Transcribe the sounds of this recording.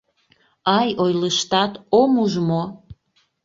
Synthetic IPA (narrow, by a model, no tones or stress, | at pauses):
ɑjojləʃt̪ɑt̪omuʒmo